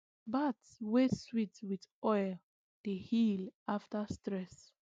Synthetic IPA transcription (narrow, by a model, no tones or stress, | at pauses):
batsweswitwiðɔjl | dehilʔaftəstɹɛs